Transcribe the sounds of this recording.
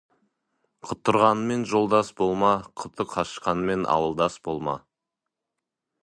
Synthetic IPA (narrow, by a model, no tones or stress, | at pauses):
qʰʊt̪ʰːʊɾʁɑnəme̞nʒo̞lˠd̪ɑsbo̞lˠmɑqʰʊt̪ʰəqʰɑʃqɑnəme̞nʔɑ̰wəlˠd̪ɑsbo̞lˠmɑ̰